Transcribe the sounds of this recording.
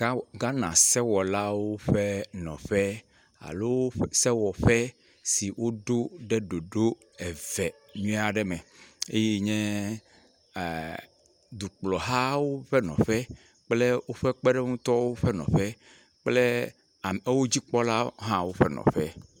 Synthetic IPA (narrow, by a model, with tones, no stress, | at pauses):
ɡa˦nã˨sɛ˦wɔ˨la˦wo˦ɸe˦nɔ̃˨ɸɛ˦ | a̰˨lo˦wo˦sɛ˦wɔ˨ɸɛ˦ | si˨wo˦d̪o˦ɖɛ˦ɖo˨ɖo˦ | e˨vɛ˨ | ɲũ˦a˨ɖɛ˦mɛ˨e˦je˦ɲɛ̃˦˨ | d̪u˨k͡plɔ˨ɦa˦wo˦ɸɛ˦nɔ̰̃˨ɸɛ˦ | k͡ple˦wo˦ɸɛ˦k͡pɛ˦ɖɛ˦ŋũ˦t̪ɔ˦wo˦ɸɛ˦nɔ̰̃˨ɸɛ˦ | k͡ple˦ | a˨me˦wo˦d͡ʑi˦k͡pɔ˦la˦ɦã˦wo˦ɸɛ˦nɔ̰̃˨ɸɛ˦